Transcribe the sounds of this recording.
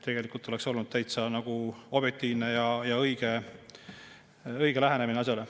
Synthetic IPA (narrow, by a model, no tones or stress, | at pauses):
t̪ʰːe̞ɡ̥e̞likult̪ːˑo̞le̞kso̞lnud̥̪̚t̪æjt̪sɑnɑɡ̥uo̞b̥et̪ːˑiːnnejɑjɑɤjɡ̥e | ɤjɡ̥e̞læɦenemineɑs̬ʲjɑle